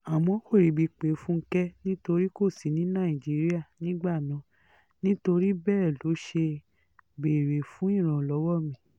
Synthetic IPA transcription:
a˨mɔ̃˨˦ko˦˨ɾi˨˦bi˧k͡pe˨˦fũ˦ŋ̩˦kɛ˦nĩ˦to˧ɾi˦ko˦˨si˨˦nĩ˨˦nã˦˨i˨d͡ʒi˨˦ɾi˦a˦˨nĩ˨˦ɡ͡ba˦˨nã˨˦ | nĩ˦to˧ɾi˦bɛː˦˨lo˨˦ʃe˧ | be˨ɾe˨fũ˨˦ĩ˦˨ɾ̃ɔ̃˨lɔ˨˦wɔ˦mĩ˨˦

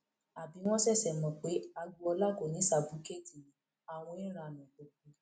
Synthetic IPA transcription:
a˨bi˨˦w̃ɔ̃˦sɛ˦˨sɛ˨mɔ̃˨k͡pe˨˦a˧ɡu˧ɔ˧la˦˨ko˨nĩ˨˦sa˨bu˨˦ke˦˨ti˨ĩ˨˦ | a˦˨w̃ɔ̃˧i˦ɾ̃a˧nã˨k͡po˨k͡pu˨

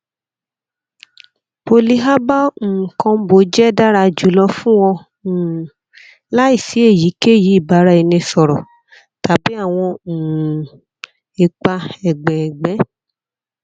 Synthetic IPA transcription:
bo˧li˧ɦa˦ba˦˨kɔ̃˧˦bo˨˦d͡ʒɛ˦da˦ɾa˧˨d͡ʒu˨˦lɔ˧fũ˦w̃ɔ̃˧˨ | la˦i˦˨si˨˦e˦˨ji˨˦ke˦˨ji˨˦i˦˨ba˨˦ɾa˦i˨˧nĩ˧sɔ˨ɾɔ˨ | ta˨˦bi˨˦a˦˨w̃ɔ̃˧˨ | e˨k͡pa˧ɛ˨ɡ͡bɛ˨ɛ˨ɡ͡bɛ˨˦

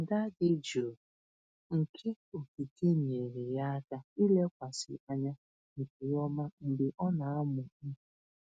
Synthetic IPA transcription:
ŋ̩˨ɡa˦dɪ˦d͡ʒo˨ | ŋ̩˨kʰe˦ | o˨ki˨ke˦ɲi˨e˨ɾe˨ja˦ta˦i˦le˦kʷa˨sɪ̰˨a˦ɲa˦ | ŋ̩˨ke˨jɔ˦ma˦n̩˨dɪ˨ʔɔ˦na˨a˦mʊ˨˦˨

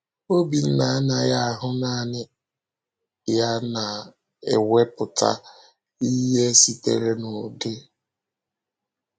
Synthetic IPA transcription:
o˦bi˨n̩˦na˨˦na˨ja˦a˨ɦʊ˦naː˦nɪ˦ | ja˦na˨ | ḛ˨we˦pʊ˨ta̰˦ | i˦ɦe˦si˦tḛ˨ɾe˦no˨de˦

